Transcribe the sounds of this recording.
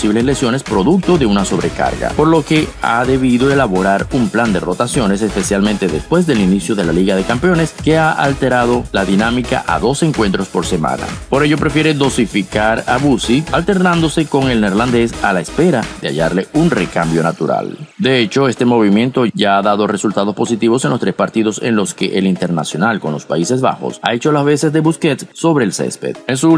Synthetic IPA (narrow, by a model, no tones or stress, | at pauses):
posiβle̞sle̞sjo̞ne̞spɾo̞ðuk̚t̪o̞ðe̞unaso̞βɾe̞ka̰ɾɣa̰po̞ɾlo̞ke̞a̰ðe̞β̞iðo̞e̞laβo̞ɾaɾumpland̪e̞ro̞t̪asjo̞ne̞se̞spe̞sjalmẽnt̪e̞ðe̞spwe̞z̬ðe̞linisjo̞ðe̞laliɣaðe̞kampeo̞ne̞ske̞aʔa̰lt̪e̞ɾað̞o̞laðinamika̰ʔa̰ðo̞se̞ŋkwe̞nt̪ɾo̞spo̞ɾse̞mã̰na̰po̞ɾe̞ʝo̞pɾe̞fje̞ɾeðo̞sifikaɾaβusialt̪e̞ɾnãnd̪o̞se̞ko̞ŋelneɾland̪e̞salaespe̞ɾaðea̰ʝaɾle̞unre̞kambjo̞nat̪uɾa̰ld̪e̞e̞t͡ʃo̞e̞st̪e̞mo̞β̞imje̞nt̪o̞ʝaaðaðo̞re̞sult̪að̞o̞spo̞sit̪iβo̞se̞nlost̪ɾe̞spaɾt̪iðo̞se̞̰nlo̞ske̞ʔelint̪e̞ɾnasjo̞nalko̞nlo̞spaise̞sβa̰xo̞̰sa̰e̞t͡ʃo̞lazβe̞se̞sðe̞βuske̞t̪so̞βɾeːlsḛspe̞̰t̪̚ensu